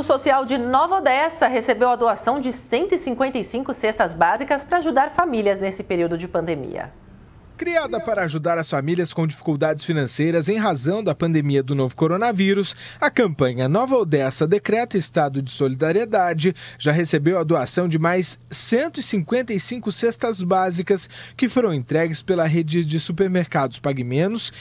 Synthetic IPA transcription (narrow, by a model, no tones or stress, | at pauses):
ʊsosiawd͡ʒɪnɔvɐod̪ɛsɐɦesebewɐd̪oasɐ̃w̃d͡ʒɪsẽnt̪ʊɪsĩŋkwẽnt̪ɐjsĩŋkʊsest̪ɐzbazikɐspɐɾɐaʒud̪aɾfamiliɐznesɪpeɾiwd̪ʊd͡ʒɪpɐ̃nd̪emḭɐ̰ | kɾiad̪ɐpaɾɐːʒud̪aɾɐsfamiliɐskõd͡ʒifi̥kuwd̪ad͡ʒɪsfinɐ̃sejɾɐzẽj̃ɦazɐ̃w̃d̪ɐpɐ̃nd̪emiɐd̪ʊnovʊkoɾonɐviɾʊsɐkɐ̃mpɐ̃ɲɐnɔvɐod̪ɛsɐd̪ekɾɛt̪ɐɪst̪ad̪ʊd͡ʒɪsolid̪aɾied̪ad͡ʒɪʒ̥aɦesebewɐd̪oasɐ̃w̃d͡ʒɪmajsːẽnt̪ʊisĩkwẽnt̪ɐisĩŋkʊsest̪ɐzbazikɐskɪfoɾɐ̃w̃ẽnt̪ɾɛɡɪspelɐɦed͡ʒɪd͡ʒɪsupeɾmeɾkad̪ʊspaɡimẽnʊs